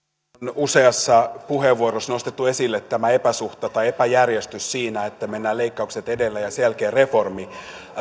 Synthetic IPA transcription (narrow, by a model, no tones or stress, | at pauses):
nuseɑsːɑpuheʋːuorosnost̪et̪ːuesilːet̪ːæmæepæsuht̪ɑt̪ɑiepæjærjest̪yssiːnæet̪ːæmenːæːleikːɑukset̪edelːæjɑselkeːreformi